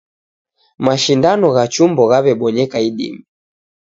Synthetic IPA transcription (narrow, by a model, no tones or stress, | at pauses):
maʃindanɔɣat͡ʃumbɔɣaβɛɓɔɲɛkaiɗḭmi